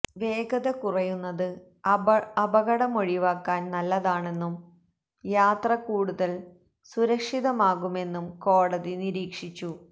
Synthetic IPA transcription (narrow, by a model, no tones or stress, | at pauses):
ʋe̞ːɡɐðɐkurɐjunːɐðɨ | ɐbɐɣɐɽɐmo̞ɻiʋaːkːaːnnɐlːɐðaːɳe̞nːum | jaːt̪rɐkuːɽuðɐl | suɾɐkʂiðɐmaːɣume̞nːumko̞ːɽɐðiniɾiːkʂit͡ɕːu